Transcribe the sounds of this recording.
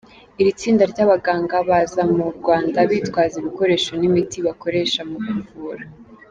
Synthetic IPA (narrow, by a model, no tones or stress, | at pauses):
iɾit͡siːndaɾɟaβaɡaːŋɡaβazamuɾɡwaːndaβiːtwaːziβuko̞ɾe̞ːʃonimitiβako̞ɾe̞ʃamuβuvuːɾa